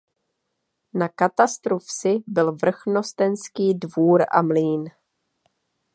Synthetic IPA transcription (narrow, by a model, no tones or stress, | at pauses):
nakat̪ast̪ɾofsɪbɪlvr̩xno̞st̪ɛnskiːdvuːɾʔa̰mliːn